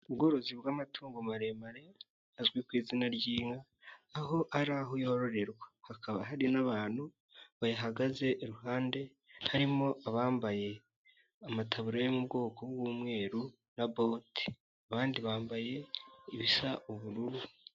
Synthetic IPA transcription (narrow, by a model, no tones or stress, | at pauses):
ubɡo̞ɾo̞zibɡaːmatʰuːŋɡomaɾe̞maɾe̞ | azɡwikwiːzinaɾɟiːŋaː | ho̞ʔaɾaɦo̞joɾo̞ɾe̞ɾɡahakaβaɦaɾinaβaːn̥hu | βajaɦaɡaze̞ʔːɾuhaːnde̞ | haɾimo̞aβaːmbaje̞ | amatʰaβuɾajomub̚ɡo̞ːko̞ɡwumŋe̞ːɾu | nabo̞ti̥ | aβaːndiβaːmbaje̞iβisaʔuβuɾuɾu